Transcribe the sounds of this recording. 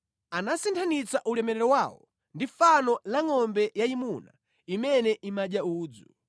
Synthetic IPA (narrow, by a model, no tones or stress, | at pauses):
anasintʰanit͡saʔulɛmɛɾɛɾɔwawɔ̰ | ndifanɔlaŋɔmbɛjaimuna̰ | imɛnɛʔimaɗjauːd͡zu